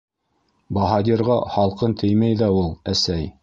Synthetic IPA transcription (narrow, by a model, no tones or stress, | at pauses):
bɑɦɑd̪ʲiɾʁɑχɑlˠqɤnt̪ʰɘ̆jmæjðæulˠæsæj